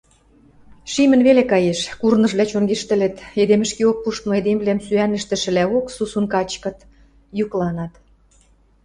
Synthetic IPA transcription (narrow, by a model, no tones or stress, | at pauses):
ʃimə̆nβelekɑjeʃkurnɤ̆ʒβlæt͡ɕoŋɡeʃt̪ə̆lĕt̪ed̪emɘ̆ʃkiok̚puʃt̪mŏed̪emβlæmsyænə̆ʃt̪ə̆ʃə̆læoksusunkɑt͡ɕkɤ̆t̪ | juklɑnɑt̪